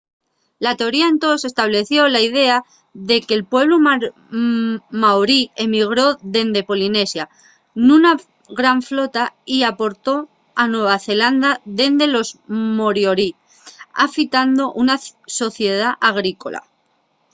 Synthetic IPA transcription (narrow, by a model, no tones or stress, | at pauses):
lat̪e̞o̞ɾiaent̪o̞se̞st̪aβ̞le̞θjo̞laið̞e̞a | ðe̞kelpwe̞β̞lu | mawɾiemiɣ̞ɾo̞ðe̞nd̪e̞po̞line̞sja | nuna | ɣɾaɱflo̞t̪aiapo̞ɾt̪o̞ | anwe̞β̞aθe̞land̪aðe̞nd̪e̞lo̞zmoɾjoɾi | a̰fit̪and̪o̞ʔunaso̞θje̞ð̞aʔaɣ̞ɾiko̞̰la̰